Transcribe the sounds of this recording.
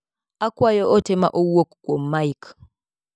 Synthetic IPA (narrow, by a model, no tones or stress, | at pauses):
akwajɔʔɔtʰɛma̰ʔowokkwɔmaik